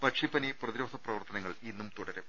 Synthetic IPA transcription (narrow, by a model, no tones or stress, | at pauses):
pɐʂipːɐniprɐðiɾo̞ːd̪ʱɐprɐʋɐrt̪ɐnɐŋːɐɭinːumt̪uɽɐɾe